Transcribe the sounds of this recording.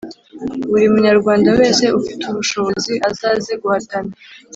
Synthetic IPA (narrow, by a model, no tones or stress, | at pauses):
uɾimuɲaɾɡwaːndawe̞ːse̞ufituβuʃoβo̞ziʔazaːzeɡwaːtane